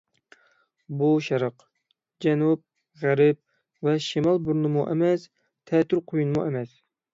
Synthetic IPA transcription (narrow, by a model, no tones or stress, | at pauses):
buʃɛɾəq | d͡ʒɛnup̚ | ʁæɾɪp̚ | vɛʃimɑlˠbuɾnɨmuʔɛmɛs | t̪ʰɛt̪ʰːyɾqʰojunmuʔɛmɛs